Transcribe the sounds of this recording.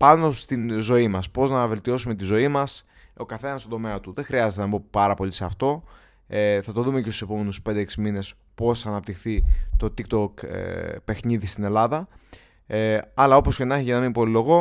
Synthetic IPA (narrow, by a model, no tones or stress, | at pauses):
pɐno̞st̪inzo̞imɐspo̞znɐve̞lt̪io̞sumet̪izo̞imɐs | o̞kɐθe̞nɐst̪od̪o̞me̞ɐt̪uðexɾiɐzet̪enɐbo̞pɐɾɐpo̞liseɐft̪o̞ | eθɐt̪o̞ðume̞cest̪use̞po̞me̞nuspe̞nd̪eeksimine̞s | po̞sɐnɐp̚t̪ixθit̪o̞t̪ikt̪okpe̞xniðist̪ine̞lɐðɐ | ɐlɐo̞po̞sce̞nɐçiʝɐnɐmimpolilo̞ɣo̞